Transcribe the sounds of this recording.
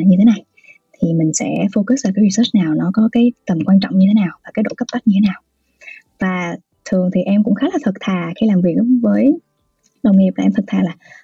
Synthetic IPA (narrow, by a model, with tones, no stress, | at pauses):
ɲɨ˧t̪ʰe˨˦na˨˩j | t̪ʰi˨˩mï˨˩ŋ̟sɛ̰˧˥fo˧kɨ˧˦˥sʔəː˧˨˩kaː˨˦ɾi˧səː˦˥t͡ɕ̚naː˨˩wnɔ˨˦kɔ˨˦kaː˨˦jt̪ə˨˩mkwaː˧nt͡ɕɔ̰˧˨ŋ͡mɲɨ˧e˨˦naː˨˩wvaː˨˩kaː˨˦jɗo̰˧˥kə˦˥p̚ʔə˦˥t̚ɲɨ˧tʰe˨˦naː˨˩w | vaː˨˩ | t̪ʰɨ˨˩əŋt̪ʰi˨˩ʔɛ˧mkʊ̰˧˥ŋ͡mxaː˨˦laː˨˩t̪ʰə˨˩t̚t̪ʰaː˨˩xi˧laː˨˩mvi˨˩ək̚vəː˨˦j | ɗə˨˩wŋ͡mŋi˨˩p̚lːa˨˩ʔɛ˧mt̪ʰə˩t̪ʰaː˨˩laː˨˩